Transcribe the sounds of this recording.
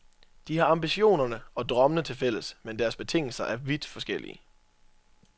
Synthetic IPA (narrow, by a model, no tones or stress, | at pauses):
d̥ihɑ̈ɑ̈mb̥iɕo̝̰ːnɐnəɒ̽d̥ʁɶmənət͡sʰe̝lfel̰əsmend̥æɐsb̥e̝t͡sʰe̝ŋ̰l̩sɐʔæɐʋid̥fɒ̽sɡ̥elḭə